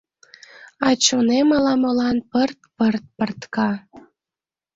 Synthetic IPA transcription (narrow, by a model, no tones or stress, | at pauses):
ɑt͡ɕonemɑlɑmolɑnpərt̪pərt̪̚pə̆rt̪kɑ